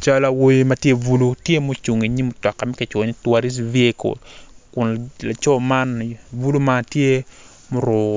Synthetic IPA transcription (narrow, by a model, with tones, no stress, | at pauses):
t͡ʃa˦la˨wo˦jima˨tje˦vu˦lu˦tje˦mo˦t͡ʃu˨ŋe˨ɲi˦mʊ˨tɔ˨kːa˨mɛ˦kɪ˨t͡ʃwɔ˨ɲi˦twa˦ɾi˦s̬vi˦e˦ko̰˨kʊ˨nla˨t͡ʃɔ˦ma˦nvu˦lu˦ma˦tje˦ | mʊ˦ɾʊ˨